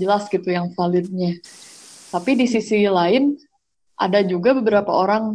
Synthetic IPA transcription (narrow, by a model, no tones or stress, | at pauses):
əlasɡit̪ujaŋfalɪt̪̚ɲa | t̪apidisisilaɪn | ʔa̰dad͡ʒuɡabəbəɾapa̰oɾaŋ